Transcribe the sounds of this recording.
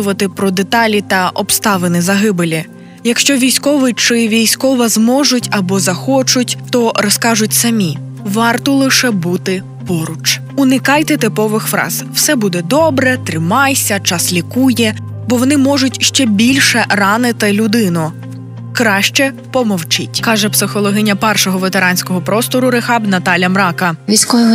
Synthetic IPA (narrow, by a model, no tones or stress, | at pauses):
ʊʋɐt̪ɪpɾɔd̪et̪ɑlʲit̪ɐʔɔbst̪ɑʋenɪzɐɦɪbɪlʲi | jɐkʃt͡ʃɔʋʲijsʲkɔʋɪt͡ʃɪʋʲijsʲkɔʋɐzmɔʒʊtʲɐbɔzɐxɔt͡ʃʊtʲt̪ɔɾɔskɑʒʊtʲsɐmʲi | ʋɑrt̪ɔlˠɪʃɛbut̪ɪ | pɔɾʊt͡ʃ | ʊnɪkɑjt̪ɛt̪ɪpɔʋɪxfɾɑ̰z̥w̥sɛbud̪ɛd̪ɔbɾɛt̪ɾɪmɑjsʲɐt͡ʃɑslʲikujɛ | bɔʋɔnɪmɔʒʊtʲʃt͡ʃɛbʲilʲʃɛrɑnɪt̪ɪlʲʊd̪ɪnɔ | kɾɑʃt͡ʃɛ | pɔmɔwt͡ʃɪtʲkɑʒɛpsɪxɔlˠɔɦɪnʲɐpɛrʃɔɦɔʋet̪eɾɑnʲsʲkɔɦɔpɾɔst̪ɔɾʊɾɪxɑbnɐt̪ɑlʲjɐmɾɑkɐʋʲisʲkɔjɔɦɔ